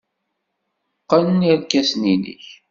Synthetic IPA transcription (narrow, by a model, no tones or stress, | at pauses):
qːənniɾkæsninḭç